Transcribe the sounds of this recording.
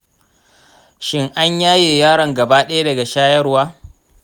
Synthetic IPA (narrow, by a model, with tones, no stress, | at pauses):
ʃɪ˦ŋʔa˦ɲjaː˦jeː˨jaː˦ɽɐ˨ŋɡɐ˨baː˦ɗɐ˦ja˦dɐ˨ɡa˨ʃaː˦jɐ˦rwaː˦